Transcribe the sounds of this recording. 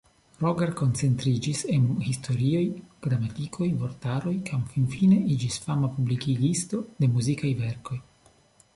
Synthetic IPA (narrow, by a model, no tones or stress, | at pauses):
ɾoɡeɾko̞nt͡se̞nt̪ɾid͡ʒise̞nhisto̞ɾio̞jɡ̥ɾamatikʰo̞jvo̞ɾtaɾo̞jkʰamfinfine̞id͡ʒisfamapublikiɡisto̞de̞muzikajve̞ɾko̞j